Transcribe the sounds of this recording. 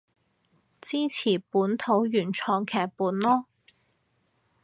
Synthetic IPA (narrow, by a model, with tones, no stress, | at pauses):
t͡siː˥t͡sʰiː˨˩puː˨˥nt̪ʰo˨˥wjyː˨˩nt͡sʰɔː˧ŋkʰɛː˨˩k̚puː˨˥nlɔː˥